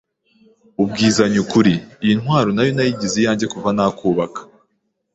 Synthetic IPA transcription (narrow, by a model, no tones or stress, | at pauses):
ub̚ɡiːzaɲukuɾiːjinhɦwaːɾonajo̞najiɟizijaːɲɟe̞kuvanakuːβakḁ